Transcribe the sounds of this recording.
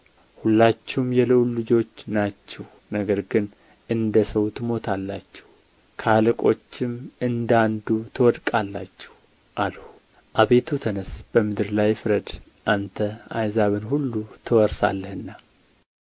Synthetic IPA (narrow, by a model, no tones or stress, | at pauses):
hulːat͡ʃːɛwmjɛlɨʔulɨd͡ʒo̞t͡ʃːnat͡ʃːɛw | nəɡəɾɡɨn | ʔɨnd̪əsəwt̪ʰɨmo̞t̪ʰalːat͡ʃːɛ̥w | kʰalɨkʼo̞t͡ʃːɪmɨnd̪and̪ut̪ʰɨwɔd̪kʼalːa̰t͡ʃːɛ̥w | ʔalhu | ʔaβe̞t̪ʰut̪ʰənəsb̥əmɨd̪ɨɾlajfɾəd̪ | ʔant̪ʰəajzaβɨnhulːut̪ʰɨwɔɾsa̰lːəhɨnːa